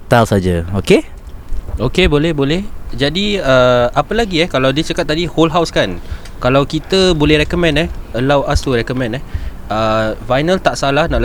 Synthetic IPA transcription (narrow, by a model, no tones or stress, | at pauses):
t̪alsad͡ʒaoke | okebolɛhbolɛhd͡ʒadiəapəlaɡiɛhkalawdiət͡ʃakat̪̚ːadiholɦawskan | kalawkit̪əbolɛhɾɛkomɛ̃nɛhəlawʔasuɾɛkɔmɛ̃nɛh | əfajnəlt̪aʔsalahnãʔl